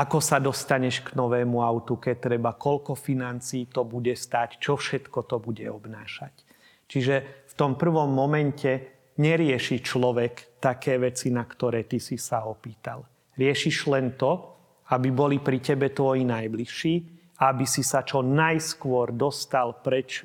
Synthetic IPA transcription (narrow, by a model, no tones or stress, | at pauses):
ʔakɔsad̪ɔst̪aɲɛʃɡnɔʋɛːmuaʊt̪ukɛc̚t̪ːɾɛbakɔlkɔfinant͡siːt̪ɔbuɟɛst̪aːct͡ʃɔfʃɛt̪kɔt̪ɔbuɟɛɔbnaːʃac | t͡ʃiʒɛft̪ɔmpr̩ʋɔmːɔmɛncʰɛ | ɲɛɾɪɛʃit͡ʃlɔʋɛkt̪akɛːʋɛt͡sinakt̪ɔɾɛːt̪isisaɔpiːt̪a̰l | ɾɪɛʃiʒlɛnt̪ɔ | abibɔlipɾicɛbɛt̪ʋɔjinajbliʃiː | aabisisat͡ʃɔnajskʊɔɾd̪ɔst̪alpɾɛt͡ʃ